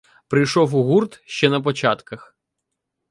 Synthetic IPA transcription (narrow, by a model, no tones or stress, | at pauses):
pɾɪjʃɔwuɦurt̪ʃt͡ʃɛnɐp̬ɔt͡ʃɑt̪kɐx